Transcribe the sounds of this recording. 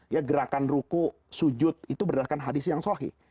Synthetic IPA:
jaɡəɾakanruku | sud͡ʒʊt̪̚it̪ubədaakanɦadɪsjaŋsoɦḭ

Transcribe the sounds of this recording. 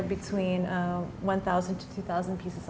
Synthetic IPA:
bɨtʰw̥ĩnwʌ̃nθaʊzɨ̃ntʰɨ̥tʰʉθaʊz̃n̩pʰisɨz

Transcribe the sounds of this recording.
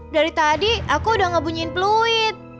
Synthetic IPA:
daɾit̪adiakuudahŋəbuɲuɪnpluɪt̪̚

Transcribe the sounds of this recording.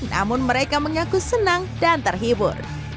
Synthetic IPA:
nna̰mʊnməɾekaməŋakusənaŋdant̪ərɦibʊ̰r

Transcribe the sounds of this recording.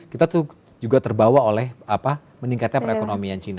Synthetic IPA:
kit̪at̪u | d͡ʒuɡat̪ərbawaolɛhapa | məniŋkat̪̚ɲapəɾekonomiant͡ʃina

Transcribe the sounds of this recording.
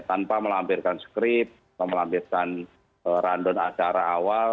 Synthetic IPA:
t̪anpaməlampirkansə̥kɾɪp̪̚apaməlampirkan | əɾandɔnat͡ʃaɾaːwal

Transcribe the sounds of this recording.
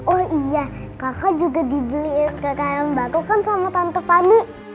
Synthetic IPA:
ɔhijakakad͡ʒuɡadiblɪskəkaɾaŋəbak̪ukansamat̪ant̪əfaniʔ

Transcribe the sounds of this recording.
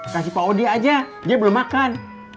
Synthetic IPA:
kasipaodiad͡ʒa | diabəlʊmakan

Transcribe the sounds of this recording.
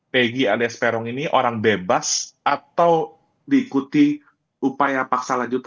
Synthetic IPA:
peɡialiaspɛɾɔŋiniʔoɾaŋbebasʔat̪aw | diːkut̪i | upajapaksalaɲd͡ʒut̪

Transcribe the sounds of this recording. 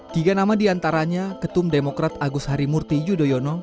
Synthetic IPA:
kiɡanamadiant̪aɾaɲakət̪ʊmdemokɾat̪aɡʊsɦaɾimurt̪id͡ʒudojɔnɔ

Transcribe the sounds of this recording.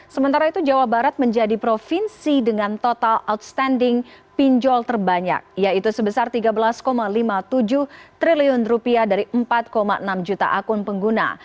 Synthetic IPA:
səmənt̪aɾait̪ud͡ʒawahbaɾat̪̚məɲd͡ʒadipɾofinsidəŋant̪ot̪alawt̪̚st̪andɪŋpiɲd͡ʒɔlt̪ərbaɲa̰k̚jait̪usəbəsart̪iɡabəlaskomalimat̪ud͡ʒʊht̪ɾiliʊnrupiadaɾiʔəmpat̪̚komaʔənamd͡ʒut̪a̰ʔakʊnpəŋɡuna̰

